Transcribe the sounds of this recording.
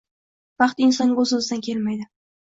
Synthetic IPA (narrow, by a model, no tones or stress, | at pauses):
v̥ɑqt̪ɪnsɒnozʊzɪd̪ankʲʰe̞lmajd̪ɪ